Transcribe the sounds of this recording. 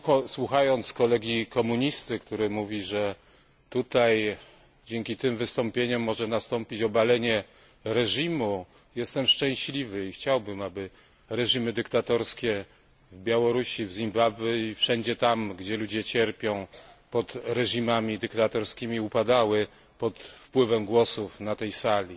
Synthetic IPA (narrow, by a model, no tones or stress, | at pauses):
ɔswuxajɔnt̪skɔlɛɡʲikɔmuɲist̪ɘkt̪uɾɘmuvʲiʐɛ | t̪ut̪aj | d͡ʑɛŋkʲit̪ɘmvɘst̪ɔmpʲjeɲɔmːɔʐɛnast̪ɔmpʲit͡ɕɔbalɛɲɛ | ɾɛʐimu | jɛst̪ɛmʂt͡ʂɛ̃w̃ɕlʲivɘixt͡ɕawbɘmabɘ | ɾɛʐimɘd̪ɘkt̪at̪ɔɾskʲɛ | vbʲjawɔɾuɕivzʲimbabɘifʂɛɲd͡ʑɛt̪amɡd͡ʑɛlud͡ʑɛt͡ɕɛɾpʲjɔ̃w̃pɔt̪ɾɛʐimamʲid̪ɘkt̪at̪ɔɾskʲimʲiupad̪awɘ | pɔt̪fpwɘvɛmɡwɔsufnat̪ɛjsalʲi